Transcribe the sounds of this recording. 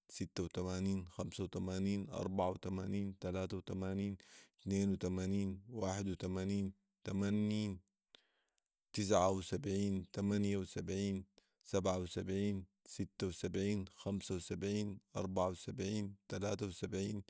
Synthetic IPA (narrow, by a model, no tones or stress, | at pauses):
sit̪ːawt̪amaːniːnxamsawt̪amaːniːnʔɑ̰ɾˤbaʕawt̪amaːniːnt̪alaːt̪awt̪amaːniːnt̪neːnwit̪amaːniːnwaːħɪd̪wit̪amaːniːn | t̪amanːiːn | t̪ɪs̬ʕawisabʕiːnt̪amanjawsabʕiːn | sabʕawsabʕiːn | sit̪ːawsabʕiːnxamsawsabʕiːnʔɑ̰ɾˤbaʕawsabʕiːnt̪alaːt̪awsabʕiːn